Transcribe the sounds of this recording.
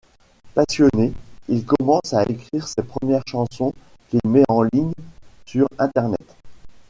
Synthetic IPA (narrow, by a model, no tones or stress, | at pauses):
pasjɔneilkɔmɑ̃saekχiʁsepχəmjɛʁʃɑ̃sɔ̃ | kilmɛɑ̃liɲsyʁɛ̃t̪ɛʁnɛ̰t̪